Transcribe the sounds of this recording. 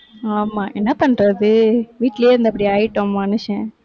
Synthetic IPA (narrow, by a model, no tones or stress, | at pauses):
aːmaːʔɛnːɐpɐɳɾɐðɯʋiːʈːɪleːɾnd̪ɐpːɐɽiaːjɪʈːõmɐnɯʃɛ̃